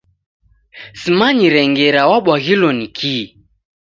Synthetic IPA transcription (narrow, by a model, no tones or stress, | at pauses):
simaɲiɾɛŋɡɛɾawaɓwaɣilɔnikʰi